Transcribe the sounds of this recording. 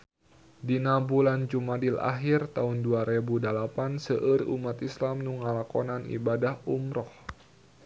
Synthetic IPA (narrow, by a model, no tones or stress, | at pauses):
dinabuland͡ʒumadilʔa̰ɦirt̪aunduaɾebudalapansəʔɨrṵmat̪islamnuŋalakɔnanḭbadahumɾɔh